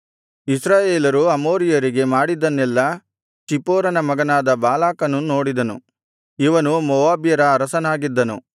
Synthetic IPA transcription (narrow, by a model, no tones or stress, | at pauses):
isɾaːjeːlɐɾuɐmoːɾijɐɾiɡe̞maːɽid̪ːɐnːɛlːɐ | t͡ʃipoːɾɐnɐmɐɡɐnaːd̪ɐbaːlaːkɐnuno̞ːɽid̪ɐnṵ | iʋɐnumɔʋaːbjɐɾɐːɾɐsɐnaːɡid̪ːɐnu